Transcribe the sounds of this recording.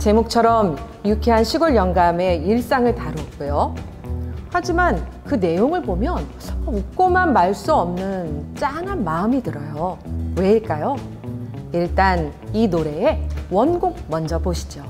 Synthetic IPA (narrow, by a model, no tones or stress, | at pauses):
t͡ɕe̞mok̚t͡ɕʰʌɾʌm | jukʰiɦanɕʰiɡʌɭjʌŋɡame̞iɭs͈aŋɯɭtaɾuʌt̚k͈ujo | had͡ʑiman | kɯne̞joŋɯɭbomjʌn | ʌuk̚k͈omanmaɭs͈uʌmnɯnt͡ɕ͈aŋɦanmaɯmitɯɾʌjowe̞iɭk͈ajo | iɭt͈an | inoɾe̞ewʌnɡok̚mʌnd͡ʑʌboɕʰi̥d͡ʑo